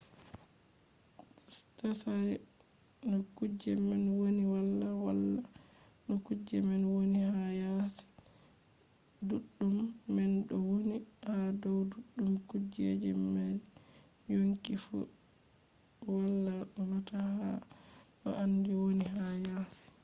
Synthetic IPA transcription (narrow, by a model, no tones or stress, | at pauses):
stasaɾ | nɔkud͡ʒɛmɛnwoniwalːawalːa | nɔkud͡ʒɛmɛnwonihajasi̥ | duɗːumːɛnɗɔwonihadɔwduɗːumkud͡ʒḛd͡ʒɛmːal | joŋkifṵ | walːaɗɔnataha̰ɗɔ̰ʔandiwoniɦajasi̥